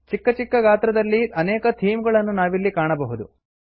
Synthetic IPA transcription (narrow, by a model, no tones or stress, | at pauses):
t͡ʃikːɐt͡ʃikːɐɡaːt̪ɾɐd̪ɐlːiʔɐnɛːkɐt̪ʰiːmɡɐɭɐnːunaːʋilːikaːɳɐbɐɦud̪ṵ